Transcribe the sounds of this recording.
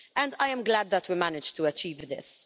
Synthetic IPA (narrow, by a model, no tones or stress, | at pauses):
ʔɛ̃ndajɛ̃mɡlæd̪̚ðətwimænɪd͡ʒt̪uɐt͡ʃiːvðɪ̰s